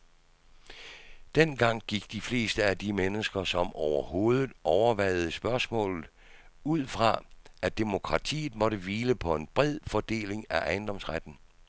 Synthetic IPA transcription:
d̥en̰ɡ̥ɑ̈ŋ̰ɡ̥iɡ̥d̥ifle̝̰ːsd̥əæd̥imenəsɡ̥ɐsɒ̽mɒʊɐho̝ːð̞ˠð̩ˠɒʊɐʋæɪð̞ˠəsb̥ɶɐsmɔ̰̽ːlð̩ˠ | uð̞̰ˠfʁɑ̈ʔæd̥emo̝kʰʁɑ̈t͡sʰḭːð̩ˠmɒ̽ɾəʋiːləpʰɒ̽e̝nb̥ʁɛð̞̰ˠfɒd̥e̝̰ːle̝ŋæʔɑ̈ɪnd̥ɒ̽msʁad̥n̩

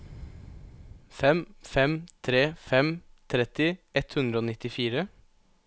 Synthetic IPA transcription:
fɛmfɛmt̪ʰɾeːfɛmt̪ʰɾɛt̪ɪɛt̪hʉnd̪ɾəoːnɪt̪ɪfiːɾə

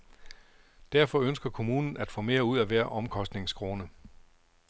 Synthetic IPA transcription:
d̥æɐfɒ̽ønsɡ̥ɐkʰo̝muːnn̩æd̥fɔ̰̽ːme̝ːɐuð̞̰ˠæʋæɐ̰ʔɒ̽mkʰɒ̽sd̥ne̝ŋskʰʁo̝ːnə

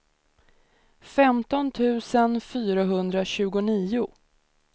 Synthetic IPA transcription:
fɛmt̪ɔnt̪ʰʉ̟ːsənfyːɾaɦɵnd̪ɾaɕʉ̟ːɡʊniːʊ

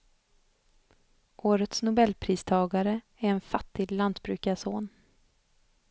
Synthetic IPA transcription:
ʔoːɾət̪snʊbɛlpʰɾiːst̪ʰɑːɡaɾə | æɾɛnfat̪ːɪɡlant̪bɾʉ̟ːkasoːn

